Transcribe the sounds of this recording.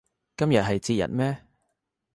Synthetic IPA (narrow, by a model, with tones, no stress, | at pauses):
kɐ˥mjɐ˨t̚ɦɐ˨jt͡siː˧t̚jɐ̰˨t̚mɛː˥